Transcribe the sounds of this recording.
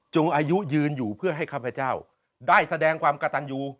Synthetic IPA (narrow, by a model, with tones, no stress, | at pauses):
t͡ɕo˧ŋʔaː˧ju˦˥jɯː˧njuː˨˩pʰɯ˥˩ɐɦa˥˩jkʰaː˥˩pʰɾa˧t͡ɕaː˥˩w | daː˥˩jsa˧dɛː˧ŋkʰwaː˧mka˧t̪a˧njuː˧